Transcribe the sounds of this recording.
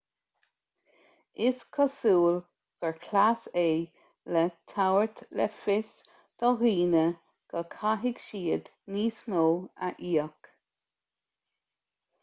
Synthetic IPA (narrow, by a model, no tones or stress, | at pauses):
ɪskʰɔsuːl | ɡ̥ɛɹkʰlaseː | lɛt̪ʰawəɹt̪lɛ̰fɪs | d̪̥ɔɣiːnə | ɡ̥əkʰaɦɪɡʃiːəd̪ | niːsnoːa̰ʔiːək